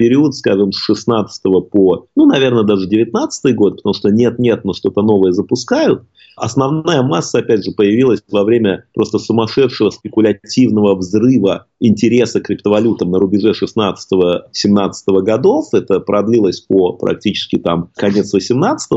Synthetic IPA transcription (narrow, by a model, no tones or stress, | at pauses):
pʲɪɾʲiʊt̪skaʐɨmsʂɨsnat̪sɨ̥t̪əvəponunɐvʲe̞rnəd̪aʐɨdʲɪvʲɪt̪̚nat̪sə̥t̪ɨjɡo̞t̪ɨpət̪ɐmuʂt̪onʲe̞t̪̚nʲe̞t̪̚noʂt̪o̞t̪əno̞vəjəzəpʊskajʊt̪̚ | ɐ̰snɐvnajəmasːəɐpʲæd̚ʲʐɨpəjɪvʲilˠəsʲvɐvɾʲemʲəpɾʔo̞st̪əsʊmɐʂɛt̪ʂɨvəspʲɪkʊlʲɐtʲivnəvəvzrɨvə | ɪnʲtʲɪɾʲe̞səkɾʲɪpt̪əvɐlʲut̪əmnəɾʊbʲɪʐɛʂɨsnat̪sə̥t̪əvəsʲɪmnat̪sɨ̥t̪əvəɡɐd̪o̞fɛt̪əpɾɐd̪lʲilˠəsʲpəpɾʔɐ̰k̚tʲit͡ɕɪ̥skʲɪt̪amkɐnʲe̞t̪svəsʲɪmnat̪sə̥t̪əvəə